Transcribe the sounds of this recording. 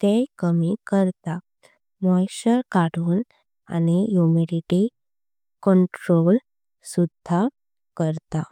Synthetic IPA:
t̪ekəmikəɾt̪a | mɔjɕəɾkaɽuːn | a̰nijumiɾiʈi | kɔɳʈɾol | sud̪ʱa | kəɾt̪a

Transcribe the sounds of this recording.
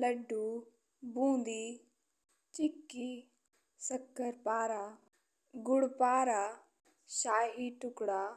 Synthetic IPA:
ləɖːuː | bũːnd̪iː | t͡ʃɪkːiː | səkːəɾpaːɾaː | ɡʊɽpaːɾaː | ʃaːjiːʈʊkɽaː

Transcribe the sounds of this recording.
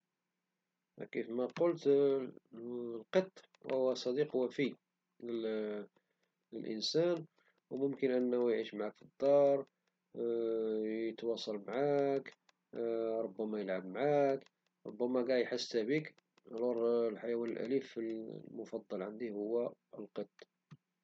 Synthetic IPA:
kifmæqʊlt̪ | lqət̪ˤː | whʊwæsˤɑd̪iqhwːæfi | ə | ə̰lʔə̰nsæn | wmʊmkənʔənːujʕiʃmʕakfid̪ˤːɑɾˤ | jət̪wɑsˤɑlmʕak | ɾˤobːæmæjəlʕabmʕak | ɾˤo̰bːæmæɡæʕjħasːt̪hæbik | lɑɾˤlħajæwænəlʔæ̰lifllmʊfɑd̪ˤːɑlʕand̪ihʊwːæəlqət̪ˤː

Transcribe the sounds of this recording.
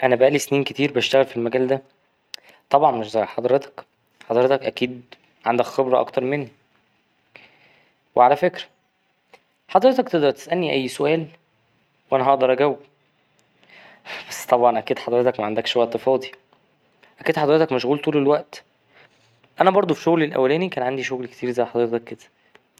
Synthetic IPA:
ʔænæbæʔælisniːnket̪iːɾbæʃt̪æɣælfilmæɡæːld̪æ | t̪ˤɑbʕɑnmeʃzˤɑjħɑd̪ˤɾet̪ɑ̥k | ħɑd̪ˤɾet̪ɑkʔækiːd̪ | ʕand̪ækxebɾɑʔɑ̰kt̪ɑɾˤmenːi | weʕalæfekɾæ̥ | ħɑd̪ˤɾet̪ɑkt̪eʔd̪ɑɾˤt̪e̥sʔælniʔæjːsoʔæːl | wʔænæɦɑʔd̪ɑɾˤʔæɡæwː | b̥æsːt̪ˤɑbʕɑnʔækiːd̪ħɑd̪ˤɾet̪ɑkmæʕand̪ækʃwæʔt̪efɑːd̪ˤi | ʔækiːd̪ħɑd̪ˤɾet̪ɑkmæʃɣuːlt̪uːlelwæʔt̪ | ʔænæbɑɾˤd̪ˤofi̥ʃoɣlelʔæ̰wːælæːnikæːnʕand̪iʃoɣlke̥t̪iːɾzæjːħɑd̪ɾet̪ɑkːed̪æ̥

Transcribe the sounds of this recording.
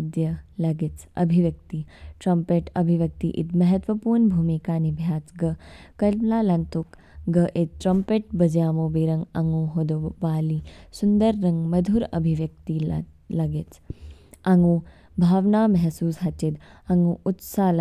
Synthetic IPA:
d̪jɐlɐɡit͡sɐ̰bʱiʋjɐk̚t̪iʈɾɐmpeːʈɐbʱiʋjɐk̚t̪iʔit̪mɐɦɐt̪ʋɐpuːɾnbʱuːmikaːnibʱjaːt͡sɡɐkɐllaːlɐnt̪uk | ɡɐʔit̪̚ʈɾɐmpeːʈ̚bɐd͡ʒjaːmoːbiːɾɐŋɡɐŋɡuːɦod̪oʋaːliːsund̪ɐɾːɐŋɡmɐd̪ʱuɾɐ̰bʱiʋjɐk̚t̪ilɐɡɪt͡s | ɐŋũː | bʱaːʋnaːmɐɦsuːsɦɐt͡ʃid̪ɐŋɡuːʔut̪saːl

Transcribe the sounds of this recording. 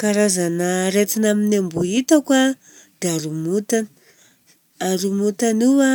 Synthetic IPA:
kaɾazanaɾet̪inaminembuit̪akwa | d̪̥eaɾumut̪an | aɾumut̪aniwa

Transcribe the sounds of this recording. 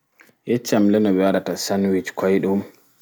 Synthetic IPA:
jɛt͡ʃːamlɛnɔbɛwaɗatasanwit͡ʃkʰɔjɗum

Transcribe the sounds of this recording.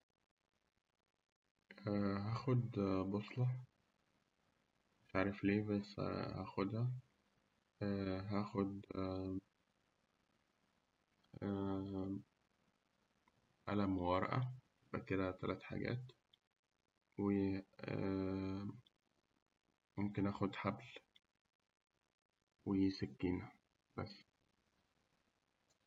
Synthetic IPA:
æɦæːxod̪bosˤlɑ | ʃaʕɾˤefleːbæshæxod̪hæ | ɦæːxod̪ | ʔa̰læmwɑɾˤʔæ̰jebʔæ̰ked̪æt̪ælæːt̪ħa̰ɡæ̰ːt̪ | we | momkenʔæːxod̪ħabl | wejesækːiːnæ | b̥æ̰sː

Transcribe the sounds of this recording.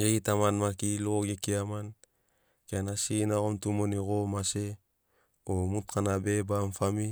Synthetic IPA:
ɡeɡitamanmakiloɡekiaman | keanasinaɣomtumoniɡomase | omut̚kanabebamfami

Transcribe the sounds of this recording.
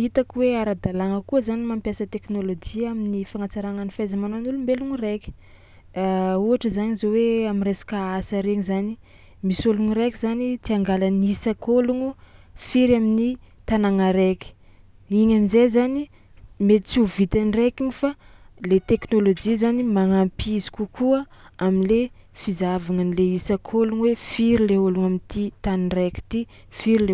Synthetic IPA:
it̪akiweaɾad̪alaŋəkuəzanimampjasət̪eknolod͡ʒiaminifaŋat͡saɾaŋanifajzamanonulumbeluŋireki̥ | uaʈ͡ʂəzanizoweaminresḁkaasaɾeŋzani | misoluŋiɾekizanit̪iaŋɡalanisakoluŋufiɾamini | t̪anaŋaɾeki̥ | iɲamizezani | met͡suvit̪anrekiɲifalet̪eknolod͡ʒizanimaŋampizi̥kukʰuəaminle | fizavaŋənileisakʰoluŋwefiɾileoluŋamint̪it̪anireki̥t̪i | fiɾile

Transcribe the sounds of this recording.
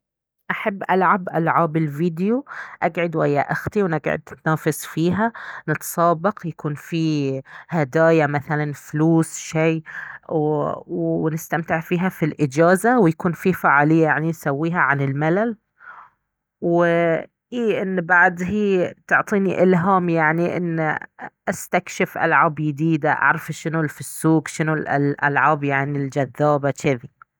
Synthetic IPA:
ʔaħabːʔalʕabʔa̰lʕaːbɪlviːd̪ɪjuʔaɡʕɪd̪wajːaʔaxt̪iwnɪɡʕɪ̰d̪ɪt̪naːfɪsfiːɦanɪt̪sˤɑːbɑqjakuːnfihad̪aːjamaθalanfluːsʃeː | wnɪst̪amt̪ɪʕfiːɦafilʔɪd͡ʒaːzawjakuːnfifaʕaːlɪjːajaʕninsawːiːɦaʕanɪlmalal | wɪ | ʔiːʔɪnːbaʕd̪ɦiːt̪ʊʕt̪ˤiːniʔɪlɦaːmjaʕniʔɪ̰nːʔast̪akʃɪfʔa̰lʕaːbjɪd̪iːd̪aʔa̰ʕɾˤɑfʃɪnʊlfisːuːkʃɪnʊllʔa̰lʕaːbjaʕnild͡ʒaðːaːbat͡ʃeði

